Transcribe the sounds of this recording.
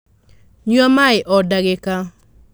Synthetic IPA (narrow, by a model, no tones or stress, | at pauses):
ɲuamaɪʔɔdaɡeka